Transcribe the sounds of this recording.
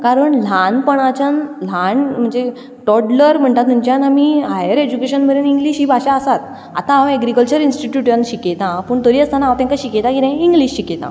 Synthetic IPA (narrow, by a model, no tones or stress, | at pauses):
kaɾəɳl̤anpəɳ̃at͡ɕanl̤anm̤əɳd͡ze | ʈɔʈləɾm̤əɳt̪at̪uɲt͡ɕjanamiːɦajəɾed͡ʑukeɕənməd̪eniŋɡliːɕɦiːbʱaɕaəsat̪̚ | a̰t̪ããwɛɡɾikəlt͡ɕəɾinsʈiʈjuʈjanɕiket̪ãpəːɳt̪əɾiːəst̪anaãwt̪jãŋkaɕiket̪ãkiɾẽiŋɡliɕɕiket̪ã̰